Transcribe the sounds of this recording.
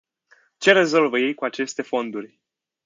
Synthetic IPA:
t͡ʃe̞ɾe̞zo̞lvəje̞jkuat͡ʃe̞st̪e̞fo̞nd̪urʲ

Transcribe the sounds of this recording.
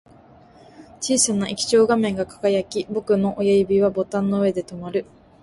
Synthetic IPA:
t͡ɕiːsanaʔikʲi̥t͡ɕo̞ːɡamẽ̞ŋɡakḁkajakʲibo̞kɯ̟no̞ʔojaibʲiβabo̞t̪ãnːo̞ɯ̟e̞d̪e̞t̪o̞maɾɯ̟

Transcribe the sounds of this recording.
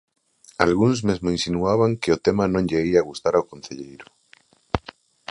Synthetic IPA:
alɣunzmezmoinsinuaβ̞aŋkeot̪emanõŋʎeiaɣust̪aɾaokõn̟θeʎejɾo̥

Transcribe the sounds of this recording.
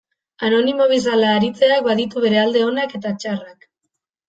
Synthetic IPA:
ano̞nimo̞β̞is̬alaːɾit͡se̞ak̚baðit̪uβe̞ɾe̞ald̪e̞o̞nake̞t̪at͡ʃarak

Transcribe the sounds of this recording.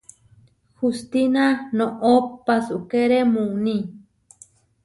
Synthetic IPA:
hust̪inanõʔopːasukeɾemũnĩ

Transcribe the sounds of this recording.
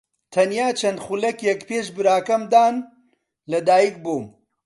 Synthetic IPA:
t̪ʰɐnjaːt͡ʃʰɐnχulɐkjɛkpeːʃbɨɾaːkɐmd̪aːn | lɐd̪aːjik̚boːm

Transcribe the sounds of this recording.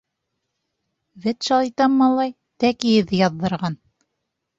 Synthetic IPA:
vɘt̪ʃɑlˠit̪ɑmːɑlˠɑj | t̪ækijɘ̆ðːɘjɑðːɤ̆ɾʁɑn

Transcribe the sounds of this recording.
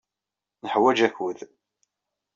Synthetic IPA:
nəħwæd͡ʒæçwəð

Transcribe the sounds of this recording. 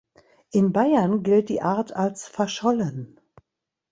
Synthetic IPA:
ʔɪnbaɪɐnɡɪlt̚d̥ḭːʔaɐtʰalsfɛɐʃɔlən

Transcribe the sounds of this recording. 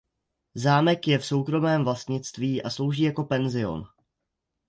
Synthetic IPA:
zaːmɛkjɛfso̞wkɾo̞mɛːmvlast̪ɲɪt͡st̪viːʔaslo̞wʒiːjako̞pɛnzɪo̞̰n

